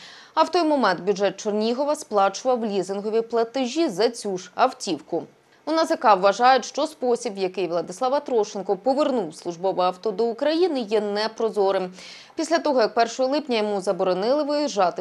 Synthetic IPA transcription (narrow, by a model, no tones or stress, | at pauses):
ɐwt̪ɔjmɔmɛnt̪bʲjuʒɛt̪̚t͡ʃɔrnʲiɦɔʋɐsplˠɑt͡ʃʊʋɐwlʲizɪnɦɔʋʲiplˠɐt̪ɪʒʲizɐt͡sʲuʒɐwtʲiwkʊ | ʊnɐzɐkɑwːɐʒɑjʊtʲʃt͡ʃɔspɔsʲibjɐkɪjʋlˠɐd̪ɪslˠɑʋɐt̪ɾɔʃɪnkɔpɔʋernuwslˠʊʒbɔʋɪɐwt̪ɔd̪ɔukɾɐjinɪjɛnɛpɾɔzɔɾɪm | pʲisʲlʲɐt̪ɔɦɔjɐk̚pɛrʃɔɦɔlˠɪpnʲɐjɔmuzɐbɔɾɔnɪlˠɪʋɪjɪʒɑt̪ɪ